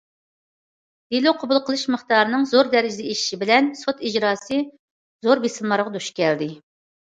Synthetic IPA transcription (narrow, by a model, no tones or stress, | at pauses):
d̪̥eloqʰobulˠqʰəlˠɨʃmɨχt̪ɑːɾɨnɨŋzoɾd̪ɛɾɪd͡ʒɪd̪ɛeʃi̥ʃibɪlɛnsot̪id͡ʒɾɑːsɨ | zoɾbesɨmmɑɾʁɑd̪uʃkʲʰɛld̪ɪ